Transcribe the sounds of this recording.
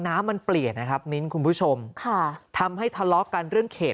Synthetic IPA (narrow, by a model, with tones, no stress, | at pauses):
naː˦˥mːa˧npli˨˩ət̪̚na˦kʰa˦˥p̚ni˦˥nkʰu˧npʰuː˦˥˩t͡ɕʰo˧mkʰa˥˩t̪ʰa˧mɦa˥˩jt̪ʰa˧lɔ˦˥ka˧nɾɯ˥˩əŋkʰeː˨˩t̚